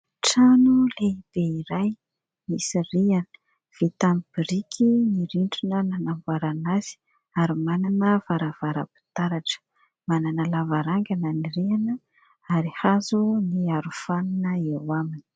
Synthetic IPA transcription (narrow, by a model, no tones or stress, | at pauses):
ʈ͡ʂanuleib̥eiɾaj | misirianə̥ | v̥it̪ambiɾikʰiniɾiɳʈ͡ʂunənanambuaɾanaz̥i̥ | aɾimananəvaɾavaɾa̰pi̥t̪aɾaʈ͡ʂə̥ | mananəlavaɾaŋɡananiɾianə | aɾihazuniaɾufaninəewamini̥